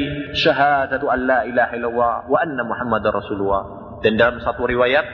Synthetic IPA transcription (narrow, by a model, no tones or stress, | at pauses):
ʃaɦaːd̪aʔanːaːʔɪlaːhaʔɪlːɑlˤːɑːhwaʔanːamʊħamːad̪rˤɾˤɑsuːlʊlːɑː | d̪and̪alamsˤɑt̪ˤuɾɪwaːjaːt̪̚